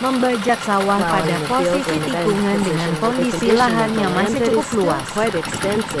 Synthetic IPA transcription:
məmbad͡ʒak̚sawahpadakɔsisit̪ipuŋandəŋankɔndisilaɦanjaŋmasɪt͡ʃukup̚lua̰ss

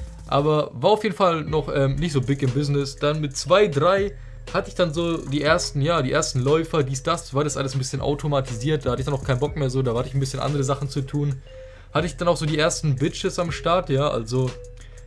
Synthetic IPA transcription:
ʔa̰ːbɐvaːɐaʊfjeːdn̩falnɔχʔɛːmnɪçtz̥oːbɪkɪmbɪznɪsd̥anmɪtt͡sv̥aɪdʁaɪ | hatəɪçd̥anzoːdiːʔeːɐstn̩jaːdiːʔeːɐstn̩lɔʏfɐdiːsd̥asvaːɐɾasʔa̰ləsn̩bɪsçənʔa̰ʊtʰomatʰiziːɐt̚d̥aːhatəɪçd̥anʊkʰaɪnbɔkmeːɐzoːdaːhatəɪçn̩bɪsçənʔa̰ndəʁəzaχn̩t͡sutʰuːn | hatəɪçd̥anaʊxz̥oːdiːʔeːɐstn̩bɪt͡ʃəsamʃtaɐtjaːʔa̰lzo

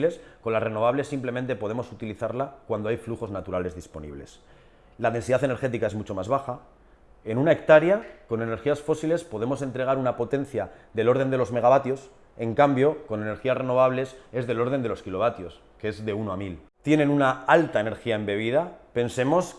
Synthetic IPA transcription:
le̞sko̞nlare̞no̞β̞aβle̞sːimple̞mẽ̞nt̪e̞po̞ðe̞mo̞sut̪iliθaɾlakwand̪o̞ajfluxo̞znat̪uɾale̞zðispo̞̰nḭβ̞le̞̰s | laðe̞nsiðaθe̞ne̞ɾxe̞t̪ikae̞zmut͡ʃo̞mazβaxa | e̞nũnae̞k̚t̪aɾjako̞ne̞ne̞ɾxiasfo̞sile̞spo̞ð̞e̞mo̞se̞nt̪ɾe̞ɣ̞aɾunapo̞t̪e̞n̟θjaðe̞lo̞ɾð̞e̞nd̪elo̞zme̞ɣaβat̪jo̞s | e̞ŋkambjo̞ko̞ne̞ne̞ɾxiasre̞no̞β̞aβ̞le̞se̞zðe̞lo̞ɾðe̞nd̪e̞lo̞skilo̞β̞at̪jo̞s | kee̞zðe̞unoamil | t̪je̞nẽ̞nunaalt̪aene̞ɾxiaembe̞β̞iðape̞nse̞mo̞s

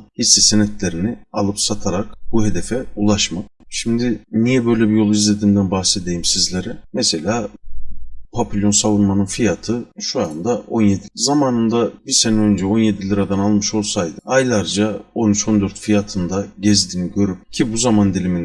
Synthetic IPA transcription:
hisːisenɛt̪lʲe̞ɾinialˠɯpsat̪ʰaɾakbuɦe̞d̪efɛulˠaʃmakʃimd̪ɪnijɛbø̞jlʲɛbijo̞lˠuizlʲe̞d̪iːnd̪ænbaxsed̪ejimsizlʲe̞ɾɛmɛse̞lʲaː | pʰapʰilʲjo̞nsavunmanɯnfijat̪ʰɯʃuand̪ao̞nje̞d̪izamaːnɯnd̪abisenɛø̞nd͡ʒɛo̞nje̞d̪ilʲiɾad̪analˠmɯʃo̞lˠsajd̪ɯajlʲˠaɾd͡ʒao̞nyt͡ʃʰo̞nd̪ø̞ɾt̪fijat̪ʰɯnd̪aɟɛzd̪iniɟø̞ɾyp̚cʰibuzamand̪ilʲimin

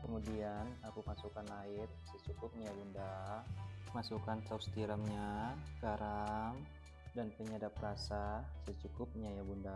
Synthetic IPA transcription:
kəmudianakumasukanaɪt̪̚sət͡ʃukʊp̚ɲabunda | masukant̪awst̪iɾamɲakaɾam | danpəɲadaprasasət͡ʃukʊp̚ɲajabunda

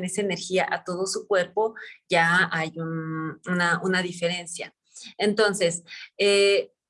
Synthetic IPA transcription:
nesaene̞ɾxiaʔat̪o̞ð̞o̞sukwe̞ɾpo̞ʝaajununaunaðifeɾe̞nsja̰ | ent̪o̞nse̞se

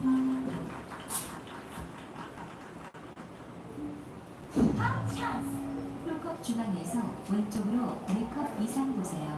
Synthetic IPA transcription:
at͡ɕʰapʰuɭkʰʌp̚t͡ɕuɡanesʰʌwʌnt͡ɕ͈ʌɡɯɾomekʰʌpisʰanɡosʰe̞jo

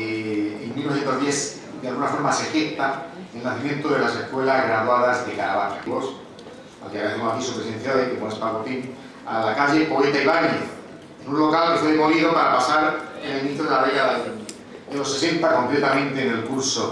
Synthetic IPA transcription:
imĩnoset̪ozβjes | d̪ealɣunafo̞ɾmasefekt̪aelnaθimjẽ̞nt̪oðelasehkwe̞lazɣɾaðwaðazðekaɾa̰βanaos | a̰lkeaaθemosakisupɾesẽ̞n̟θjaðekeponespaɣot̪in | alakaʎe̞poet̪aiβaɲeθ | enũnlo̞kalkefweðemoβiðopaɾapasaɾenelnĩt̪ɾoðelaβeɣa | ðelo̞se̞se̞nt̪ako̞mplet̪amẽnt̪e̞ːnelkuɾso

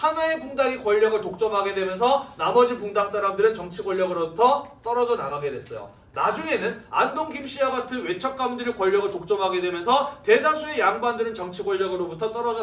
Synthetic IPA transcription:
hanaekuŋdaɡikwʌʎːʌɡɯɭtok̚t͡ɕ͈ʌmɦaɡe̞dwe̞mjʌnsʰʌnamʌd͡ʑipuŋdaŋ̚s͈aɾamdɯɾɯnt͡ɕʌŋt͡ɕʰiɡwʌʎːʌɡɯɾobutʰʌt͈ʌɾʌd͡ʑʌnanaɡe̞dwe̞s͈ʌjo̰ | nad͡ʑuŋe̞nɯna̰ndoŋɡimɕ͈iaɡatʰɯnwe̞t͡ɕʰʌk̚k͈amundɯɾikwʌʎːʌɡɯɭtok̚t͡ɕ͈ʌmɦaɡe̞dwe̞mjʌnsʰʌte̞das̬ʰue̞jaŋbandɯɾɯnt͡ɕʌŋt͡ɕʰiɡwʌɭːʌɡɯɾobutʰʌt͈ʌɾʌd͡ʑʌ

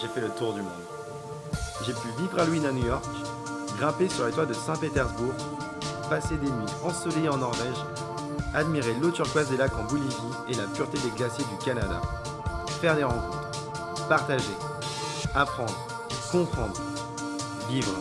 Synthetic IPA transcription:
ʒefɛlət̪uʁd̪ymɔ̰̃d̪ | ʒepyvivʁalwinanujɔʁk | ɡʁɛ̃pesyʁlet̪wad̪əsɛ̃pet̪ɛʁzbuʁ | pased̪enɥi | ɑ̃sɔlejeɑ̃nɔʁvɛʒ | ad̪miʁelot̪yʁkwazd̪elakɑ̃bɔlivi | elapyʁt̪ed̪eɡlasjed̪ykanad̪a̰ | fɛʁd̪eʁɑ̃kɔ̃t̪χ | paʁt̪aʒe | apχɑ̃d̪ʁ | kɔ̃pχɑ̃d̪ʁ | vivʁ

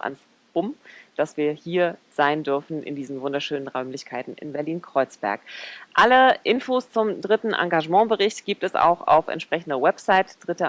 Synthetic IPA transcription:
a̰ns | b̥ʊmd̥asv̥iːɐhiːɐz̥aɪndʏɐfn̩ʔɪ̰ndiːzn̩vʊndɐʃøːnənʁaʊmlɪçkʰaɪtn̩ɪ̰nbɛɐliːnkʁ̥ɔʏt͡sb̥ɛ̰ɐkʔaləʔɪnfoːst͡sʊmdʁɪtn̩ʔa̰ŋɡaʒəmɑ̃ːbəʁɪçtɡ̥iːp̚tɛsa̰ʊxa̰ʊfɛ̰ntʃpʁ̥ɛçn̩dəwɛpz̥aɪtd̥ʁɪtə

